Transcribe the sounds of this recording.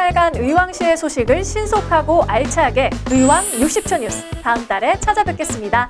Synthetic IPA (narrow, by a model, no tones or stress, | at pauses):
aɭɡanɯiwaŋɕʰie̞sʰoɕʰiɡɯɭɕʰinsʰokʰaɡoʔaɭt͡ɕʰaɦaɡe̞ɯiwaŋjuk̚ɕ͈ip̚t͡ɕʰʌɲusʰɯ̥taɯmt͈aɾe̞t͡ɕʰad͡ʑabek͈e̞s͈ɯmɲida